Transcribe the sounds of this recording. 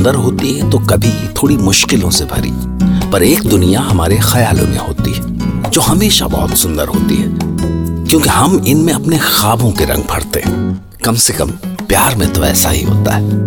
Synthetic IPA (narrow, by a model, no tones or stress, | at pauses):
nd̪əɾɦoːt̪iɦɛt̪okɐbʱit̪ʰoːɽimʊʃkɪlõsebʱɐ̰ɾḭː | pɐɾeːk̚d̪ʊnijaɦɐmaːɾexɐjaːlõ̰mḛ̃ɦoːt̪ḭɦɛ | d͡ʒoːɦɐmeːʃa̰bɐ̰ɦʊt̪sʊ̃nd̪əɾɦo̰ːt̪ḭɦɛːkjõːkeɦɐmɪnmẽɐpnexaːbʱõkeɾɐ̰̃ŋɡ̚bʱɐ̰ɽt̪eɦɛ̃ | kɐmsekɐ̰mpjaːɾmẽt̪oɛ̰ːsa̰ɦḭɦo̰ːt̪a̰ɦɛː